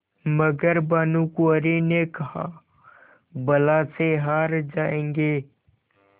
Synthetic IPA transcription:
məɡəɾbaːnukuəɾinekɐɦa̰ | bɐlaːseɦaːɾd͡ʒaːẽːŋɡeː

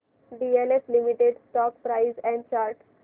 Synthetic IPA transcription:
ɖieleflimiʈeɖsʈɔːkpɾaɪzɛ̃ɳɖt͡ʃaɾʈ

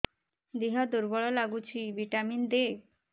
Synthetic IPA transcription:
d̪iɦad̪uɾbɔɭɔlaɡut͡ʃʰibiʈamind̪e

